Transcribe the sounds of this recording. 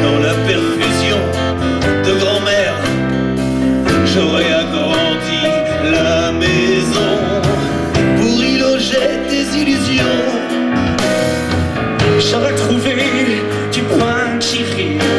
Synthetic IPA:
d̪ɑ̃lapɛʁfyzjɔ̃ | d̪əɡʁɑ̃mɛʁ | ʒoʁɛaɡʁɑ̃d̪i | lamɛezɔ̃ | puʁiloʒɛd̪ezilyzjɔ̃ | ʃavɛt̪χuve | d̪ykwa | ʃiʁe

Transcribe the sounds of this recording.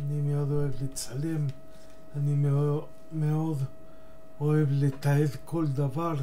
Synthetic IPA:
animeod̪oevlet͡salem | anime | meod̪ | oevlet̪aed̪kʰold̪avaʁ

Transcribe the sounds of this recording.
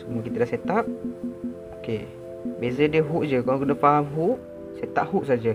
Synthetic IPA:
səmuəkit̪ədaʔset̪ap̚ | oke | bezədiəɦuʔd͡ʒəkalokədəpaɦamɦuʔ | set̪a̰p̚huʔsad͡ʒə

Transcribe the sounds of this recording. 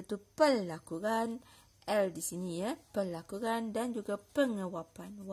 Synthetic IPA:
t̪upəlakuɾan | ʔɛldisinijəpəlakuɾandand͡ʒuɡapəŋəwapanw

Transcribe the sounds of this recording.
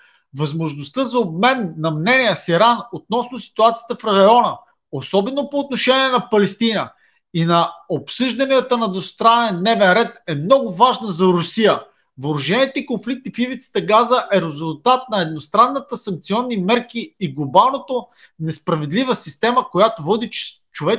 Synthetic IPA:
vɐzmoʒnost̪ɤzɐob̚mɛnːɐmnɛnijəsiɾanot̪̚nɔsnosi̥t̪uat̪sijə̥t̪əfɾɐjɔnə | osɔbɛnopoːt̪̚noʃɛniɛnɐpɐlɛst̪inə | inɐopsɤʒd̪ɐnijət̪ənɐd̪vost̪ɾanɛnd̪nɛvɛnɾɛt̪ɛmnɔɡʊvaʒnəzɐɾʊsijə | voɾʊʒɛnʲiɛt̪ɛikonflik̚t̪ifivit̪sə̥t̪əɡazəʔɛɾɛzʊlˠt̪at̪̚nɐɛd̪̚nost̪ɾanːət̪əsɐŋk̚t̪siɔnːimɛɾkiːɡlˠobalˠnot̪o | nɛspɾɐvɛd̪livəsist̪ɛməkojat̪ovɔd̪i | t͡ʃovɛ

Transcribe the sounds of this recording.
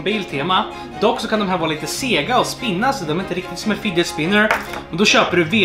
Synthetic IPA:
biːlt̪ʰeːma | d̪ɔkːsɔkʰand̪ɔmɦæːɾvɑːɾliːt̪əseːɡaɔspɪnːasɔd̪ɛmɛɾɪnt̪əɾɪk̚t̪ɪt̪sɔmɛfɪd̪ɛspɪnːəɾɛnd̪ɔɕøːpəɖɵveː

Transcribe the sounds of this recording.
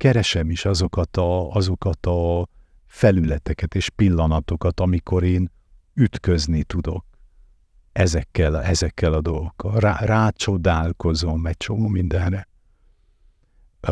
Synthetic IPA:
kɛɾɛʃɛmiʃɒzo̞kɒt̪ɒɒzo̞kɒt̪ɒ | fɛlylɛt̪ɛkɛt̪eːʃpilːɒnɒt̪o̞kɒt̪ɒmiko̞ɾeːn | yt̪kø̞znit̪ud̪o̞̰k̚ | ɛzɛkːɛlɛzɛkːɛlɒd̪o̞lɡo̞kːɒlraraːt͡ʃo̞d̪aːlko̞zo̞mɛc̚t͡ʃo̞moːmind̪ɛnrɛ

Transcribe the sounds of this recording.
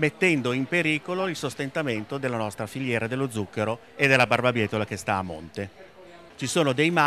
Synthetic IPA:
met̪ːɛnd̪oimpeɾiːkoloilsost̪ent̪ament̪od̪elːanɔst̪ɾafiljɛːɾad̪elːod̪zːukːeɾo | ed̪elːabarbabjɛːt̪olakest̪aːmːo̰nt̪e | t͡ʃisoːnod̪ejma

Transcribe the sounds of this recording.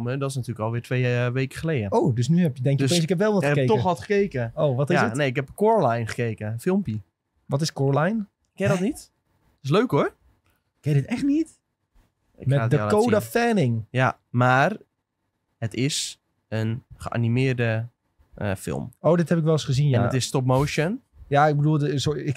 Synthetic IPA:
mədɔtɪsnatyːləkɔlˠʋɪːtʋeːʋejkə̥χəleːdəowdøs̬nyɦɛpjədɛŋkəstensɪkɛp̬ʋɛlˠʋɔtəketɔəxɔtχə̥kejkəoːʋɔtɪsəneɪkɦɛpəkoːɹlajnχə̥keːkəfɪlˠmpjə | ʋɔtɪskoɹlajn | kːɛdɔnit | tɪs̬løːkor | kɛdɪtɛxtnit | ɪmɛtdəkowdafɛnɪŋja | maːr | hətɪs | ənχəʔa̰nimɪːrdə | əfɪ̰lˠmoːdɪthɛpɪk̬ʋɛlˠɪsχəzinjɛanətɪstɔp̚moːʃən | jaɪɡ̚bəduːlˠsoɪk

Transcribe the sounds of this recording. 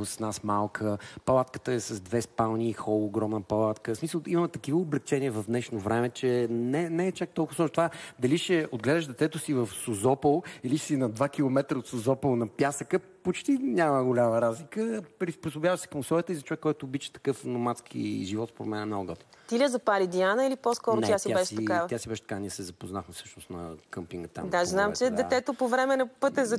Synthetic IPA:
ssnasmalˠkʰəpɐlˠat̪kə̥t̪əɛsɐzd̪vɛspalˠniːxɔlˠːɡɾɔmnəpɐlˠat̪kəsmisəlˠiməmɛt̪ɐkivəoblɛk̚t͡ʃɛniəvɐvd̪nɛʃnovɾɛmɛt͡ʃɛnɛnɛɛt͡ʃak̚t̪ɔlˠkʊsɔt̪ovad̪ɐliʃɛod̪̚ɡlɛd̪əʃd̪ɛt̪ɛt̪ʊsivɐfsozɔpəlˠiliʃsinɐd̪vakilˠomɛt̪ɾəot̪səzɔpəlˠnɐpjasəkəpot͡ʃt̪inʲaməɡʊlʲaməɾazlikəpɾisposʊbjavəʃsɛ̥kəmʊsˠɔjət̪əizɐt͡ʃovɛkːɔjt̪oːbit͡ʃə̥t̪ɐ̥kɤfnomat̪skʰḭʒivɔt̪spɾod̪mɛnɛmnoɡʊɡɔt̪t̪ilʲɛzɐpaɾid̪ianəiliposkɔɾot̪ɛjasiabaɛʃiɐavjasibɛʃt̪kaniəsɛzɐpoznaxmɛfsɤʃnʊsnɐ̰kəmpiŋɡət̪a̰md̪aʒznamt͡ʃɛd̪ɛɛt̪opovɾɛmɛnɐpɤt̪ɛzɐ

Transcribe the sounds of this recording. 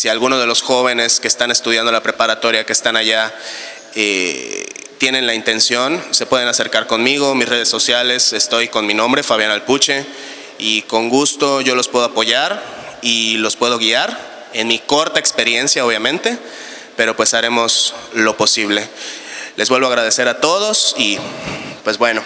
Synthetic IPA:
sialɣuno̞zðe̞lo̞sxo̞βe̞ne̞ske̞ːst̪ane̞st̪uðjand̪o̞lapɾe̞paɾat̪o̞ɾjakeːst̪anaʝa | ḛ | t̪je̞ne̞nlaint̪e̞nsjo̞nse̞pwe̞ð̞enase̞ɾkaɾko̞nmiɣo̞misre̞ðesːo̞sjale̞sest̪o̞jko̞nminõmbɾe̞faβ̞janalput͡ʃe̞ | iko̞ŋɡust̪o̞ʝo̞lo̞spwe̞ðo̞apo̞ʝaɾilo̞spwe̞ð̞o̞ɣiaɾ | e̞nmiko̞ɾt̪aekspe̞ɾje̞nsjao̞β̞jamẽ̞nt̪e̞ | pe̞ɾo̞pwe̞saɾe̞mo̞slo̞po̞siβ̞le̞lʔe̞zβwelβo̞aɣɾaðe̞se̞ɾat̪o̞ð̞o̞sipwe̞zbwe̞no̞

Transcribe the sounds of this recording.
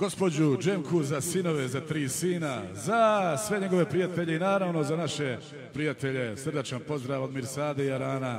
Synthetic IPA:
ɡ̥o̞spo̞d͡ʑud͡ʒemkʰuzasino̞ʋe̞zat̪ɾiːsiːnazasʋe̞ɲe̞ɡo̞ʋe̞pɾijat̪e̞ʎe̞inaːɾaʋno̞zanaʃe̞ | pɾijat̪e̞ʎe̞sr̩d̪at͡ʃanpo̞zd̪ɾaːʋod̪miːɾsaːd̪ejaɾaːna

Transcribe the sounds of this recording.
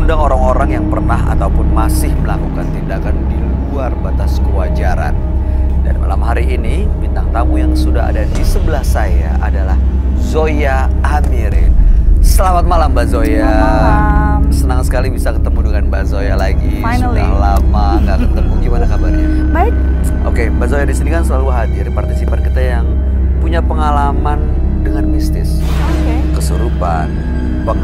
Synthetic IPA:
undaŋoɾaŋoɾaŋjaŋpərnaɦa̰t̪aupʊnmasɪhməlakukant̪indakandiluarbat̪askəwad͡ʒaɾa̰n | da̰nma̰lamɦaɾiːnibint̪aŋt̪amujaŋsudaɦa̰dadisəbəlahsaja̰ʔadalah | zojaː | miɾɪ̰nsəlamat̪̚malambazoja | sənaŋsə̥kalibisakət̪əmudəŋanbazojalaɡi | a̰hlamaŋɡakət̪əmuɡimanakabarɲaba | ʔo̰kebazojadisinikansəlaluɦadɪrpart̪isipankit̪ajaŋ | puɲapəŋalaman | dəŋanmist̪ɪ̰s | ok | kəsuɾupa̰n | pəŋ

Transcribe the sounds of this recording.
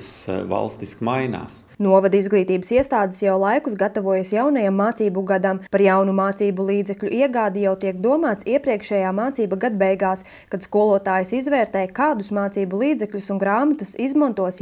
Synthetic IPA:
sva̰lˠst̪iskmajna̰ːs | nuɔvad̪izɡlˠiːt̪iːbəsiɛst̪aːd̪ɪsjawlˠajkusɡat̪avuɔjasjawnɐjamːaːt̪siːbuɡad̪ampaɾjawnumaːt̪siːbulˠiːd̪zɛklʲuʔiɛɡaːd̪ijawt̪iɛkd̪uɔmaːt̪siɛpɾiɛkʃɛːjaːmaːt̪siːbaɡad̪bɛjɡaːs | kad̪̥skuɔlˠuɔt̪aːjisizvɛːɾt̪ɛjkaːd̪usmaːt̪siːbulˠiːd̪zɛklʲusunɡɾaːmat̪usizmɔnt̪uɔs

